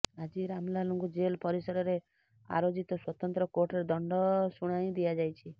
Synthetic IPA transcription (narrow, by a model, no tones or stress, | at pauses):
ad͡ʒiɾamlaluŋkud͡ʒelpɔɾisɔɾɔɾe | a̰ɾod͡ʒit̪ɔswɔt̪ɔnt̪ɾɔkoʈɔɾed̪ɔɳɖɔsuɽ̃aj̃d̪iad͡ʒajt͡ʃʰi